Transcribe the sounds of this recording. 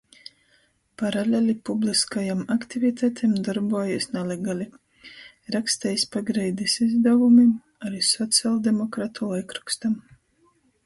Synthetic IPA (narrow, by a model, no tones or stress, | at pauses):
paɾalʲɛlʲipubliskajamakt̪ivit̪ʰat̪ʰɛmd̪aɾbuɔjisnɛlʲeɡalʲi | ɾakst̪ɛjspaɡɾɛjd̪isizd̪avumi | aɾisɔt̪sialˠd̪emɔkɾat̪ʰulˠɛkɾukst̪am